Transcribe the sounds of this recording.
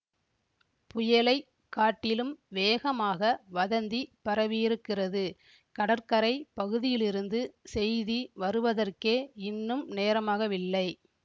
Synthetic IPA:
pʊjɐlɐɪ | kːaːʈːɪlɯmʋeːɣɐmaːɣɐʋɐðɐnd̪ipɐɾɐʋijɪɾɯkːɪrɐðɯ | kɐɽɐɾkɐɾɐɪpɐɣɯðɪjɪlɪɾɯnd̪ɯsɛjðiʋɐɾɯʋɐðɐrkeːɪnːɯmneːɾɐmaːɣɐʋɪlːɐɪ

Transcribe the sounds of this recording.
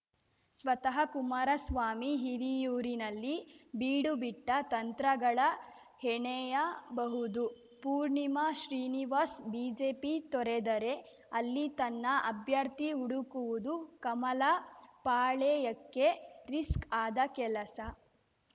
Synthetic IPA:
sʋɐt̪ɐɦɐkumaɾɐsʋaːmiɦiɾijuːɾinɐlːibiːɽubiʈːɐt̪ɐnt̪ɾɐɡɐɭɐ | hɛɳɛjɐbɐɦud̪u | puːɾɳimɐʃɾiːniʋaːsbiːd͡ʒeːpit̪ɔɾed̪ɐɾe̞ | ɐlːit̪ɐnːɐʔɐbʱjɐɾt̪iuɽukuʋud̪ukɐmɐlɐpaːɭɛːjɐkːe̞ɾiskaːd̪ɐkɛlɐsɐ

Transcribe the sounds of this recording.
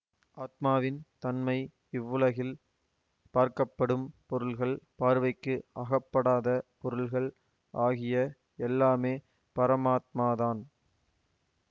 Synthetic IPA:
ʔaːt̪̚maːʋɪnt̪ɐnmɐɪ | ɪʋːɯlɐɣɪl | paːɾkɐpːɐɽɯmpɔɾɯlɣɐɭpaːɾʋɐɪkːɯɐɣɐpːɐɽaːðɐpɔɾɯɭɣɐɭ | ʔaːɣɪjɐ | ɛlːaːmeː | pɐɾɐmaːt̪̚maːðaːn

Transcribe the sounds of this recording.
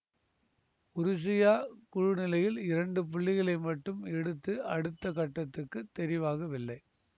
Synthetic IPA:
ʊɾʊs̬ɪjaːkʊɻʊnɪlɐjɪlɪɾɐɳɖɯp̬ʊɭːɪɣɐɭɐɪmɐʈːɯmɛɽɯt̪ːɯɐɽɯt̪ːɐkɐʈːɐt̪ːɯkːɯt̪ːɛɾɪʋaːɣɐʋɪlːɐɪ

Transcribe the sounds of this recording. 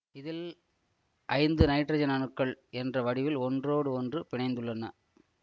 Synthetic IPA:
ɪðɪl | ʔɐɪnd̪ɯnɐɪʈːrɐd͡ʒɐnɐnɯkːɐɭɛndrɐʋɐɽɪʋɪlɔndroːɽɯɔndrɯpɪɳɐɪnd̪ɯɭːɐnɐ

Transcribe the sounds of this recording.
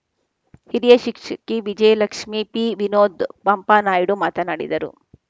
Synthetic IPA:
hiɾijɐʃikʂɐkiʋid͡ʒɐjɐlɐkʂmipiːʋinoːd̪pɐmpaːnaːjɽumaːt̪ɐnaːɽḭd̪ɐɾṵ

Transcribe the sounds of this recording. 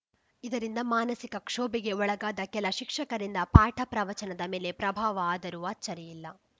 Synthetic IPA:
id̪ɐɾind̪ɐmaːnɐsikɐkʂoːbiɡe̞ɔɭɐɡaːd̪ɐkɛlɐʃikʂɐkɐɾind̪ɐpaːʈʰɐpɾɐʋɐt͡ʃɐnɐd̪ɐmeːle̞pɾɐbʱaːʋɐaːd̪ɐɾuʋɐt͡ʃːɐɾɛjilːɐ

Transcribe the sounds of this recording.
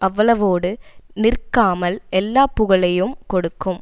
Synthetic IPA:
ʔɐʋːɐɭɐʋoːɽɯnɪrkaːmɐlʔɛlːaːpːʊɣɐɭɐjɯmkɔɽɯkːɯm

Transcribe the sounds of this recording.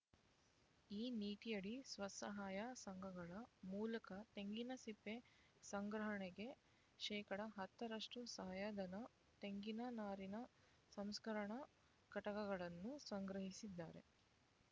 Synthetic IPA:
iːniːʈijɐɽisʋɐsɐɦaːjɐsɐŋɡʱɐɡɐɭɐmuːlɐkɐt̪e̞ŋɡinɐsipːe | sɐŋɡɾɐɦɐɳeɡe̞ | ʃɛːkɐɽɐɦɐt̪ːɐɾɐʂʈusɐɦɐjad̪ɐnɐ | t̪e̞ŋɡinɐnaːɾinɐ | sɐmskɐɾɐɳɐ | kɐʈɐɡɐɡɐɭɐnːusɐŋɡɾɐɦisid̪ːa̰ːɾe̞̰

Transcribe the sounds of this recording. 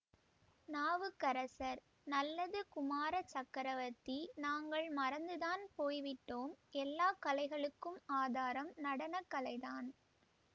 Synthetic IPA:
naːʋɯkːɐɾɐsɐɾ | nɐlːɐðɯkʊmaːɾɐt͡ʃɐkːɐɾɐʋɐt̪ːinaːŋɡɐɭmɐɾɐnd̪ɯðaːnpoːjʋɪʈːoːmɛlːaːkɐlɐɪɣɐɭɯkːɯmaːðaːɾɐmnɐɽɐnɐkːɐlɐɪðaːn

